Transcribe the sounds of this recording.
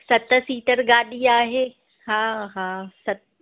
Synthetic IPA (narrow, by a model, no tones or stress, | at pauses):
sɐt̪̆siːʈəɾɡaːɗiaːɦeː | haːɦaːsɐt̪̚